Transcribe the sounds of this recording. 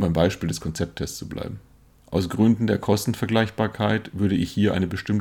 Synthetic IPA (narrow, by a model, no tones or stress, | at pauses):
baɪmbaɪʃpiːldɛskʰɔnt͡sɛp̚tʰɛst͡subla̰ɪbm̩ | ʔaʊsɡ̥ʁʏndn̩deːɐkʰɔstn̩fɛɐɡlaɪçb̥aːɐkʰaɪtv̥ʏɐɾəɪçhiːɐʔa̰ɪnəbəʃtɪmt